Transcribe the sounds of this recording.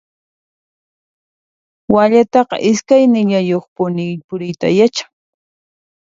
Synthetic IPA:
waʎat̪ɑqɑ̰ʔɪskajnɪʎajoχpʊnɪjpʊɾɪjt̪ajat͡ʃḁŋ

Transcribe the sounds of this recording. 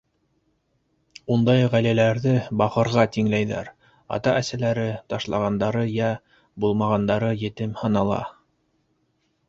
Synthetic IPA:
und̪ɑjʁælælæɾðɘbɑqɤ̆ɾʁɑt̪iŋlæjðæ̰ɾ | ɑ̰t̪ɑʔæsælæɾɘt̪ɑʃlˠɑʁɑnd̪ɑɾɤjæ | bulˠmɑʁɑnd̪ɑɾɤjɘ̆t̪ɘmhɤ̆nɑlˠɑ̰

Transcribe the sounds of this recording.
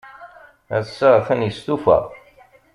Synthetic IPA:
æðsəʁθænjəst̪ufæ̰

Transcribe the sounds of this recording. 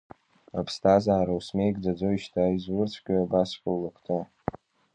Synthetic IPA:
apʰstʰazaːɾawsme̞jkʼd͡zad͡zojiʃtʰaizwʊrt͡sʷʰkʲʼaabasħʼawlakʰtʼɨ

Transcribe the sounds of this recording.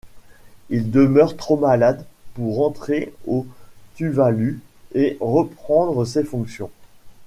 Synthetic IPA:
ild̪əmœʁt̪χomalad̪puʁɑ̃t̪χeot̪yvalyeʁəpχɑ̃d̪ʁəs̬efɔ̃ksjɔ̃

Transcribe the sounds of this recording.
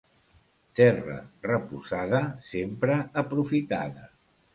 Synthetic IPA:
t̪ɛrə̰rəpuzaðəsempɾəəpɾufit̪a̰ðə

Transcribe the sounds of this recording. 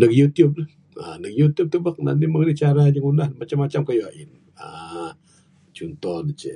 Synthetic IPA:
nəkjut̪jʊb̚lh | a̰nəkjut̪jʊb̚tʊb̚lakna̰nt̪iməɡɾit͡ʃaɾad͡ʒəŋunahmat͡ʃamːat͡ʃamkajoaʔɪn | a | t͡ʃunt̪ɔnət͡ʃə̰

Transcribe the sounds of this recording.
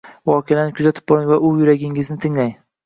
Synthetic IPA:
vɒːqʰejanɪkʰʊzat̪ʰɪ̥p̚bɒŋvaʔʊjʊɾaɡʲɪŋɪznɪt̪ʰɪŋlaj

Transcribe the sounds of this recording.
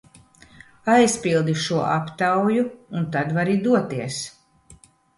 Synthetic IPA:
ajspilˠd̪iʃuɔʔapt̪awjuːnt̪ad̪vaɾid̪uɔt̪iɛs

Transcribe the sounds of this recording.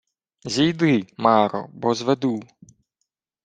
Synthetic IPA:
zʲijd̪ɪmɑɾɔ̰bɔzʋed̪u

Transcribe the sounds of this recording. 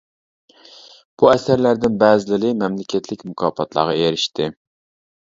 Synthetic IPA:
b̥uɛsæɾlæɾd̪ɪnbɛːzɪlɨlɨmɛmlɪkʲʰɛt̪ʰlɪkʲmukʰɑ̰ːpʰɑt̪ʰlˠɑ̰ːʁɑeɾɪʃt̪ʰɪ

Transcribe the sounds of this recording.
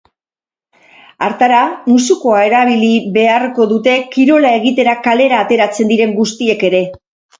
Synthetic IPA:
aɾt̪aɾamusuko̞ae̞ɾaβ̞iliβe̞arko̞ðut̪e̞kiɾo̞lae̞ɣit̪e̞ɾakale̞ɾaːt̪e̞ɾat͡se̞nd̪iɾe̞ŋɡust̪ie̞ke̞ɾe̞

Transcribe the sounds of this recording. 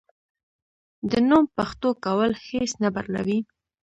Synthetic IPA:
d̪ənumpaxt̪okawəlhesnaba̰ɾla̰wi

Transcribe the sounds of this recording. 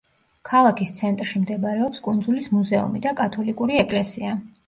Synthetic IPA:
kʰalˠakʰist̪sʰɛnt̪ʼɾʃimd̪ɛbɾɛɔpskʼund̪zulismuzɛṵmid̪akʼat̪ʰɔlikʼuɾiɛkʼlɛsia

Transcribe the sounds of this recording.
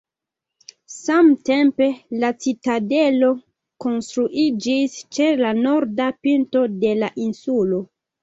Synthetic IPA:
samte̞mpe̞lat͡sitade̞lo̞ | ko̞nstɾuʔid͡ʒist͡ʃe̞lanoɾdapinto̞de̞laʔinsulo̞

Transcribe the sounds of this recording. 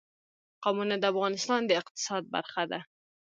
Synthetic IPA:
qɑmunad̪əafɣɑnɪst̪ɑnd̪əɪq̚t̪ɪ̥sɑd̪̚ba̰ɾxad̪a

